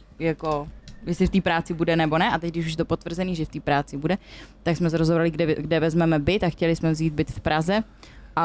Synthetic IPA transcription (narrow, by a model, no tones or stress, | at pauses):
jako̞jɛslɪft̪iːpɾaːt͡sɪbudɛnɛbo̞nɛʔat̪ɛc̚dɪʃuʃjɛt̪̬opo̞t̪vr̩zɛniːʒɛft̪iːpɾaːt͡sɪbudɛt̪aksmɛs̬ɛɾozobɾalɪɡɛɡdɛvɛzmɛmɛbɪt̪axcɛlɪsmɛvziːd̪̚bɪt̪fpɾazɛ | ʔa